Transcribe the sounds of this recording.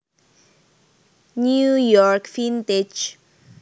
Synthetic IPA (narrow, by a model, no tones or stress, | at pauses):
njujɔɹkfĩnt̪ed͡ʒ